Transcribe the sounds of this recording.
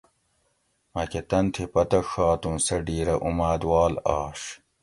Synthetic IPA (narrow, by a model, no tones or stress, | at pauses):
mɐket̪ɐnt̪ʰipɐt̪ɐxaːt̪ũːsɐɖiːɾɐʔumaːd̪waːlaːʂ